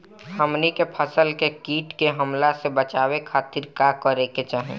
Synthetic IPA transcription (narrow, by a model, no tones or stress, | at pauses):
həmnikepʰəsəlkekiːʈkeɦəmlasebət͡ʃaːwekʰaːt̪iɾkakəɾeket͡ʃaːɦḛ̃